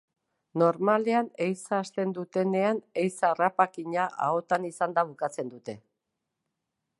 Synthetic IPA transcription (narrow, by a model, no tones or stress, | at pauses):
no̞ɾmaleane̞jsaːst̪e̞nd̪ut̪e̞ne̞ane̞jsarapakiɲaʔa̰o̞t̪anisand̪aβukat͡se̞nd̪ut̪e̞